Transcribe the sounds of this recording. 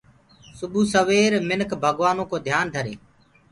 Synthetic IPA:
sʊbʱuːsəʋeːɾmɪnkʰbʱəɠʋaːnõːkoːd̪ʱjaːnd̪ʱəɾḛː

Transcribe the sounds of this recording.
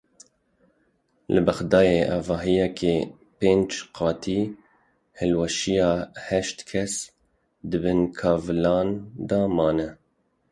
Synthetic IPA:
lɨbɛxd̪ɑːjeːʔɑvɑːɦijɛkʰeː | peːnd͡ʒqʰɑːt̪ʰiː | hɨlwɛʃijɑːhɛʃt̪kʰɛs | d̪ɨbɨnkʰɑːvlɑːnd̪ɑːmɑːnɛ

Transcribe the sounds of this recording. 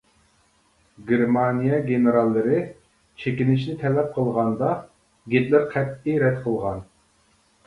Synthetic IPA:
ɡʲeɾmɑnijɛɡʲenɨɾɑlˠːɨɾɨ | t͡ʃʰekʲinɪʃnɪt̪ʰɛlɛp̚qʰəlˠʁɑnd̪ɑ | ɡʲet̪lɪɾqʰɛt̪ːiɾɛd̪qʰəlˠʁɑn

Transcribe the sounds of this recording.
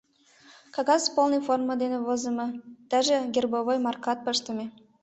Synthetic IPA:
kɑɡɑspolˠnɤjformɤ̆d̪enʲĕvɤ̆zɤ̆mɤ̆t̪æʒɘ̆ɡʲerbovojmɑrkɑt̪̚pɤʃt̪ɤ̆mʲe

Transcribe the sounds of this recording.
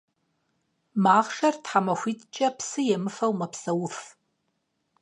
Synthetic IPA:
maːχʂɐrtħamɐxʷitʼt͡ʃʼɐpsɨjɛmɨfɐwmɐpsɐwʊf

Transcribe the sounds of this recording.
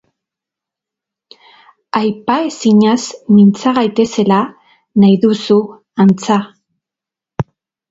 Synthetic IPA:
ajpae̞siɲazmint͡saɣajt̪e̞se̞la | najðusu | ant͡sa

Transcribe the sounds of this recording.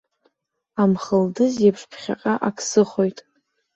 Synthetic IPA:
amχəldɨzjapʰʂpʰχʲa̰qʼaʔakʰsɨχojtʼ

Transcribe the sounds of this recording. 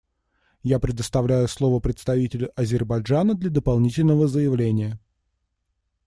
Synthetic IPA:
japɾʲɪd̪əst̪ɐvlʲæjʊslˠo̞vəpɾʲɪt̪st̪ɐvʲitʲɪlʲʊʔɐzʲɪrbɐʐanəd̪lʲɐd̪əpɐlˠnʲitʲɪlʲnəvəzəjɪvlʲenʲɪjə

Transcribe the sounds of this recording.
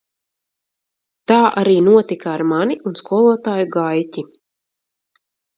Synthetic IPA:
t̪aːʔa̰ɾiːnuɔt̪ikaːɾmaniʔunskuɔlˠuɔt̪aːjuɡajcʲi

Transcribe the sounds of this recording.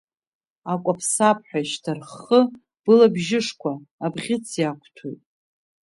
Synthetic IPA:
akʷʼapʰsapʰħʷᶣaʃtʰarχə | b̥ɨlabʒɪʂkʷʰaːbʁʲɪt͡sʰjakʷʰtʰṵjtʼ

